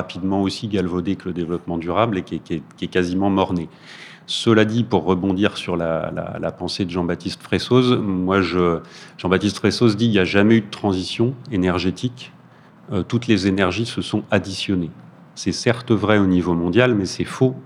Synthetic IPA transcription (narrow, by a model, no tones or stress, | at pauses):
apid̪mɑ̃osiɡalvod̪ekələd̪evlɔpmɑ̃d̪yʁablekʲɛkʲɛkʲɛkazimɑ̃mɔʁne | səlad̪ipuʁːəbɔ̃d̪iʁsyʁla̰la̰la̰pɑ̃sed̪əʒɑ̃bat̪ist̪fχesozmwaʒəʒɑ̃bat̪ist̪fχesozd̪iljaʒamɛyd̪ət̪χɑ̃zisjɔ̃enɛʁʒet̪ʰik | øt̪ut̪lezenɛʁʒisəsɔ̃ad̪isjɔne | sɛsɛʁt̪əvʁɛonivomɔ̃d̪jalmɛsɛfo